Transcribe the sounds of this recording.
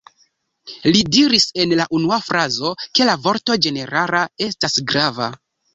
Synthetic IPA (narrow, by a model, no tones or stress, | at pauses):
lidiɾise̞nlaʔunuafɾazo̞ke̞lavo̞ɾto̞d͡ʒe̞ne̞ɾalae̞stasɡɾava̰